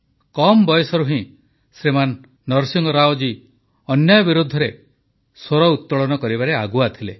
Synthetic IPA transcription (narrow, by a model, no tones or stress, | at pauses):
kɔmbɔjɔsɔɾuɦĩ | sɾemanː | ɔɾsiŋɡɔɾaod͡ʒi | ɔnjajɔbiɾud̪ʱːɔɾe | soɾɔut̪ːɔɭɔnɔkɔɾibaɾeaɡuat̪ʰile